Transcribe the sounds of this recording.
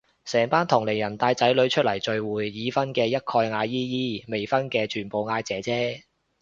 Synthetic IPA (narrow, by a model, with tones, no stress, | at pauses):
sɛː˨˩ŋpaː˥nt̪ʰʊ˨˩ŋle˨˩jɐ˨˩nt̪aː˧jt͡sɐ˨˥jlɵ˨˥ɥt͡ʃʰɵ˥t̚lɐ˨˩jt͡sɵ˨ɥwuː˨˩jːiː˨˧fɐ˥nkɛː˧jɐ˥t̚kʰɔː˧jŋaː˨˧jiː˥jiː˥me˨˩jfɐ˥nkɛː˧t͡ʃʰyː˨˩npo˨˧wŋaː˧jt͡sɛː˨˥t͡sɛː˥